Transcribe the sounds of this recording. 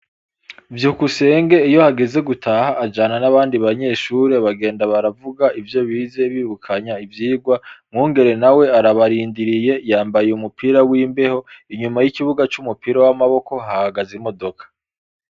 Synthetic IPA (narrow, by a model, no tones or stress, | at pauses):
vjuːkuse̞ːŋɡe̞ijo̞haɡe̞ze̞ɡutʰaːhaʔːd͡ʒananaβaːndiβaɲe̞ːʃuɾe̞βaɡe̞ːndaβaɾavuɡaʔivjo̞βiːze̞βiːβukʰaɲaivjiːɡwamŋuːŋɡe̞ɾe̞nawe̞aɾaβaɾiːndiɾije̞jaːmbajeumupʰiːɾawiːmbe̞ho̞iɲumajiciβuɡat͡ʃumupiɾawamaβo̞ko̞hahaɡazimo̞do̞kḁ